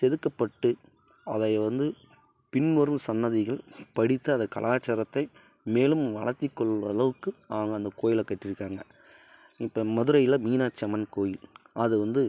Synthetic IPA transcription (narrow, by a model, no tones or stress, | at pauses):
sɛðɯkːɐpːɐʈːɯ | ɐðɐɪʋɐnd̪ɯ | pɪnʋɐɾɯmsɐnːɐðɪɣɐɭpɐɽɪt̪ːɯɐnd̪ɐkɐ̰laːt͡ʃːɐɾɐt̪ːɐɪ | meːlɯmʋɐɭɐɾt̪ːikːɔɭʋɐ̰lɐʋɯkːɯaːɐŋɡɐnd̪ɐkoːjɪlɐkːɐʈːɪɾɯkːaːŋɡɐ | ɪpːɐːmɐðɯɾɐjɪlɐmiːnaːt͡ʃːɐmɐnkoːjɪl | ɐðɯʋɐnd̪ɯ